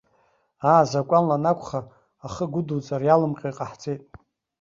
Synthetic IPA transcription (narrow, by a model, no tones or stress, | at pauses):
aːzakʷʼanlanakʷʰʼχaː | χəɡʷʊdut͡sʼarjalɨmqʲʼejqʼaħt͡sʼejtʼ